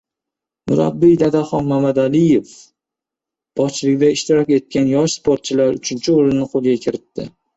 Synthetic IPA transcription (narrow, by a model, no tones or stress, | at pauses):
mʊɾa̰bːɪjd̪ad̪aχɒnmamad̪alɪjef | b̥ɒt͡ʃʰlɪkʲd̪aɪʃt̪ɪɾɒkʲe̞t̪̚kʲanjɒʃspʰoɾt̪̚t͡ʃʰɪlaɾʊt͡ʃʰɪnt͡ʃʰɪoɾɪnːɪqʰolˠɡʲakʲʰɪɾɪt̪ːɪ̰